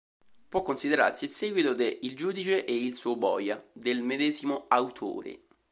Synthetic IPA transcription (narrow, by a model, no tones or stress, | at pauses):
pwɔkːonsid̪eɾa̰rsiilsɛːɡwit̪okeʔild͡ʒuːd̪it͡ʃeʔeilsuːbɔ̰ːjad̪elmed̪ɛːzimoawt̪ʰo̰ːɾḛ